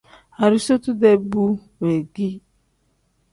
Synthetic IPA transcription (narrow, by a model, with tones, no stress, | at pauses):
a˨ɾi˦so˦tu˦de˦bu˦ŋe˨ɡi˦